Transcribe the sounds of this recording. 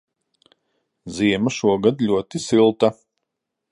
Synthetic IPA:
ziɛmaʃuɔɡad̪lʲuɔt̪isilˠt̪a

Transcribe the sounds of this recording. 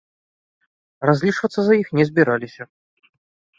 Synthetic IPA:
razʲlʲiʂvɐt̪sɐzɐjixnʲɛzʲbʲiɾalʲisʲɐ

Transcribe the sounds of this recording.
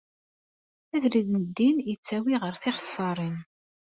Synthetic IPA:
æðɾiðnəd̪ːinjət͡sːæwiʁəɾθɪχə̥sˤːɑɾˤin

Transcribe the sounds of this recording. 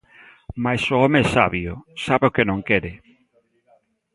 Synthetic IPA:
majsʊɔmeɛsa̰βjʊ̰saβeokenõŋkɛɾɪ

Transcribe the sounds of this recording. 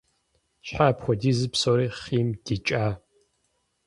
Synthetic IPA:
ɕħaːpxʷɔdiːzɨpsoɾiːχiːmdit͡ʃʼaː

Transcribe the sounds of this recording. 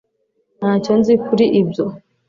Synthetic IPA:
nhaconzikʰuɾiʔibjo

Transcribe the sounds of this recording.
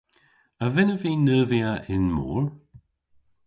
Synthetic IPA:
əvɪnəviːnəːviaʔɪnmo̰ːɹ

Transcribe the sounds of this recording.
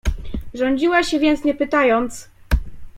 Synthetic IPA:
ʐɔɲd͡ʑiwaɕɛvʲjɛnt̪sɲɛpɘt̪ajɔnt̪s

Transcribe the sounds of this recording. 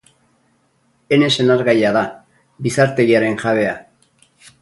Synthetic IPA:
e̞ne̞se̞naɾɣajaða | bisaɾt̪e̞ɣiaɾe̞nʝaβe̞a

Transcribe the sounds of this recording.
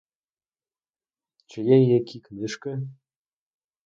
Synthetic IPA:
t͡ɕɘ̆jenjekʲʰiknɘʃkɘ̆

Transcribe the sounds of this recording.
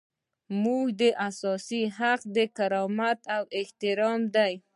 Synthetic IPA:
muɡd̪əʔasɑsiɦaqd̪əkaɾɑmat̪awɪht̪ɪɾɑmd̪aj

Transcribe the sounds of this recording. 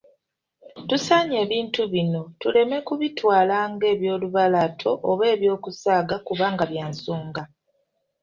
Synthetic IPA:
tusaːɲe̞ːβiːntuβino̞tule̞me̞kuβitwaːlaːŋɡe̞ːβjo̞ːluβalatʰo̞ʔoβe̞ːβjo̞ːkusaːɡakuβaːŋɡaβjaːnsoːŋɡa

